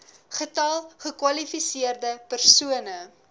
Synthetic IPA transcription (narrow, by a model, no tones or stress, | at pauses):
χətɐlˠχəkwɐlifisiərdəpərsuənə